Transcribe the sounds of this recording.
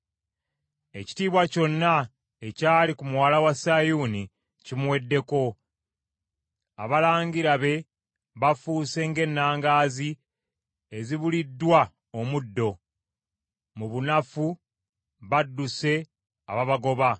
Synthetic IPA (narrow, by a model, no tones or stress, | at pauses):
e̞ci̥tiːβwaco̞nːa | e̞caːlikumuwaːlawasajuːni | cimwe̞dːe̞ko̞ | a̰βalaːɲɡiɾaβe̞ | βafuːse̞ŋɡe̞nːaːŋɡaːzi | eziβulidːwa | omudːo̞ | muβunafu | βadːuse̞ | a̰βaβaɡo̞βa